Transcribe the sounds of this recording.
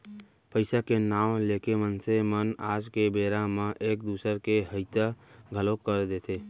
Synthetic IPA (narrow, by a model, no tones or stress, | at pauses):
pəɪsakenaːwleːkemənsemənaːd͡ʒkebeːɾãmãʔeːk̚d̪uːsəɾkeɦəɪt̪aɡʱəlokəɾd̪eːt̪ʰeː